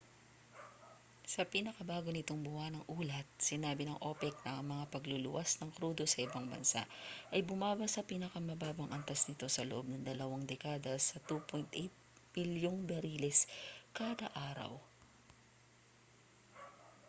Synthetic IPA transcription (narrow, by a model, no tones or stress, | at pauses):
sɐpinɐkɐbaːɡo̞nɪt̪o̞ŋbʊhanɐŋʔuːlɐt̪̚sɪnaːbɪnɐŋʔo̞pɛk̚nɐŋmɐŋapɐɡlulʊ̰wasnɐŋkɾuːd̪o̞sɐʔɪbɐŋbɐ̰nsa̰ʔʔɐjbʊmaːbɐsɐpiːnɐkɐmɐbaːbɐŋʔɐnt̪asnɪt̪o̞sɐloʔo̞b̚nɐŋd̪ɐlɐwaŋd̪ɛkaːd̪ɐsɐt̪upojnt̪ʔɛjt̪̚mɪljoŋbɛɾiːlɛskaːd̪ɐʔaːɾɐ̰w